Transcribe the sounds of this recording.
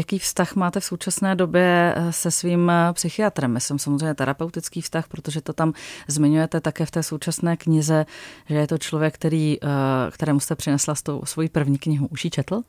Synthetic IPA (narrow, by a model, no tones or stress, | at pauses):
jakiːfst̪axmaːt̪ɛfsowt͡ʃasnɛːdo̞bjɛsɛsviːmpsɪxɪat̪ɾɛmjasɛmsamozreɛjɲɛt̪ɛɾʔapɛwt̪ɪt͡skiːfst̪axpɾo̞t̪o̞ʒɛt̪o̞t̪amzmɪɲujɛt̪ɛt̪akɛːft̪ɛːso̞wt͡ʃasnɛːkɲɪzɛʒɛjɛt̪o̞t͡ʃlovjɛkːt̪ɛɾiːkt̪ɛɾɛːmust̪ɛpr̝̥ɪnɛslast̪owsvo̞jipr̩vɲiːkɲɪɦuʔuʃjit͡ʃɛt̪l̩